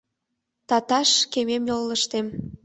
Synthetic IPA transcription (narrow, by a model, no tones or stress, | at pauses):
t̪ɑt̪ɑʃkememjolːəʃt̪em